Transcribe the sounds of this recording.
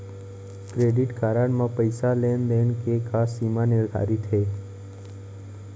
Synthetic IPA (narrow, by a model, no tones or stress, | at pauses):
kɾeɖiʈkʰaɾaɳmãpəjsalendeɳkekʰasimanɪɾd̪ʱa̰ɾit̪ʰe